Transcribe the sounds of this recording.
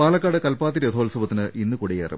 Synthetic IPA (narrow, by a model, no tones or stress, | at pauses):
paːlɐkːaːɽɨkɐlpaːt̪̬ːiɾed̪ʰʱoːlsɐbɐt̪ːinɨʔinːɨkuɽejeɐrḭ